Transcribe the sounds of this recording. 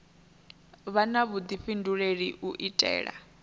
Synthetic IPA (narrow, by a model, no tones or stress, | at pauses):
βanaβud̪iɸinduɺeɺiʔuʔitʼɛ̰ːɺa̰